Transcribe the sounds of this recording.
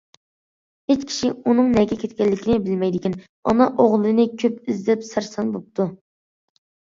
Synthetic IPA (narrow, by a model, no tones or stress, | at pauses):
het͡ʃkʲʰi̥ʃiunɨŋnɛɡʲɛkʲʰet̪̚ʲkʲɛlːɪkʲinɪbɪlmɛjd̪ɪkʲin | ɔ̰nɑʔoʁlˠɨnɨkʲʰøpyzd̪ɛpsæɾsɑnbop̚t̪ʰu